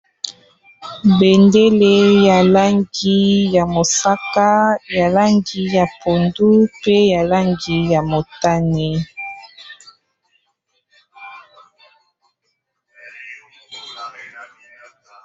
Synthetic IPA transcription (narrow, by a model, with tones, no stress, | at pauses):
be˨nde˦le˦ja˨la˦ŋɡi˦ja˨mo˨sa˦ka˦ja˨la˦ŋɡi˨ja˨pʰo˨ndu˦pe˦ja˨la˦ŋɡi˨ja˨mo˨ta˦nɛ˨